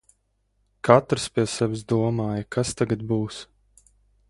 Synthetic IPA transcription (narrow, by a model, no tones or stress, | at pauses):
kat̪ɾspʲiɛsɛvɪsd̪uɔmaːjəkʰast̪aɡat̪̚buːs